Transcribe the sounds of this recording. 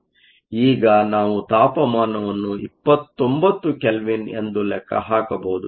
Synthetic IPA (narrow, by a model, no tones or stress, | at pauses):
iːɡɐnaːʋut̪aːpɐmaːnɐʋɐnːuipːɐt̪ːombɐt̪ːukelʋine̞̰nd̪ulɛkʰːɐ̰ɦaːkɐboud̪u